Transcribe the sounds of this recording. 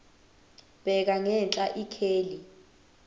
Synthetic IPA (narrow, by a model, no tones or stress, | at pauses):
b̥ʱɛk̬aŋɛnt͡ɬʼaʔikʰeːli